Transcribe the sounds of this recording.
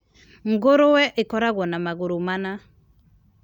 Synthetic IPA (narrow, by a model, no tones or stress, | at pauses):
ŋ̩ɡoɾowɛʔekɔɾaɣwɔnamaɣoɾomana